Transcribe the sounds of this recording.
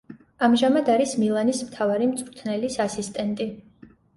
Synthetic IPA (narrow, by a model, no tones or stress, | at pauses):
amʒamad̪aɾismilˠanismt̪ʰavaɾimt̪sʼvɾt̪ʰnɛlisasist̪ʼɛnt̪ʼi